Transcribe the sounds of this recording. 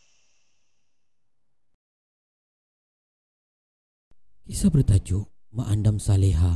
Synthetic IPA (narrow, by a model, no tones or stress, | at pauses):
kisabərt̪ad͡ʒumaʔandamsaleɦa